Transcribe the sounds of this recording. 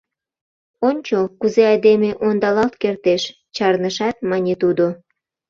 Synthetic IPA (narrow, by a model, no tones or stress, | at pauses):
onʲt͡ɕokuzeɑjd̪emeʔond̪ɑlɑlt̪kert̪eʃ | t͡ɕɑrnəʃɑt̪̚mɑnʲet̪ud̪o